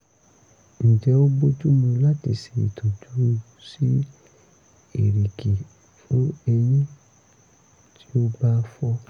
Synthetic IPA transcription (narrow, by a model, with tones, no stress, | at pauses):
ñ̩˨d͡ʒɛ˨˧˦o˦bo˦tu˦mũ˧la˦tḭ˧si˧˨ḭ˨tʰɔ̃˨tu˨˦ɾu˦ | si˦ | e˨ɾi˨ki˨ | fũ˦ɛ˧nĩ˦ | tʰi̥˦o˦ba˦˧fɔ˧